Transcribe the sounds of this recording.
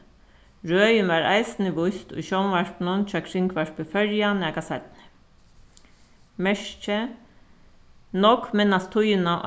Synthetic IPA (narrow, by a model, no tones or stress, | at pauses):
ɹøːjɪnʋaɾa̰jsɪnɪʋʊjst̪ʊ̰jʃɔwnʋaɹpnʊnt͡ʃʰaːkʰɾɪŋkʋaɹpɪfœɹjanɛːkasat̪̚nɪ̥ | mɛʂt͡ʃɛ | nɔkmɪnːast̪ʰːʊjɪnaʔ